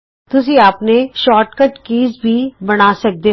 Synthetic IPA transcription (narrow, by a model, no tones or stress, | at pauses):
t̪ʊsĩaːpneʃɔːʈkəʈkiːzbʱibɐɽ̃aːsɐk̚d̪eː